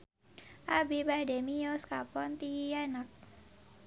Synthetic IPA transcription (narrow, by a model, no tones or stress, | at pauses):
ʔabibademijoskapɔnt̪ianak̚